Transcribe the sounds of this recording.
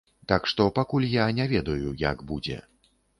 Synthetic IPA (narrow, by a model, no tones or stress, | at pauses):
t̪akʂt̪ɔpakulʲjanʲɛvʲɛd̪ɐjuja̰ɡbud͡zʲɛ̰